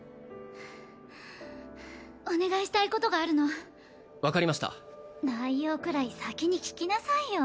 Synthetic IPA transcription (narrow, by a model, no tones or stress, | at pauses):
one̞ɡaiɕi̥t̪aiko̞t̪o̞ɡaːɾɯ̟no̞a | βakaɾʲimaɕi̥t̪a̰d̪aijoːkɯ̟ɾaisakʲiɲ̟ikʲi̥kʲinasaijo